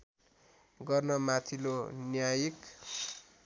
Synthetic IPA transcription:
ɡʌrnʌmat̪ʰilonjajik

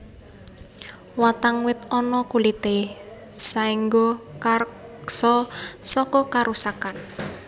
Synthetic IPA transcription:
wat̪aŋwɪt̪̚ɔnɔkulit̪esaiŋɡokarksɔsɔkɔkaɾusakan

